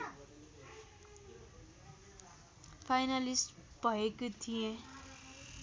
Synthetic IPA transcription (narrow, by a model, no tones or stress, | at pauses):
pʰajnalisʈ | b̥ʱʌekot̪ʰijẽ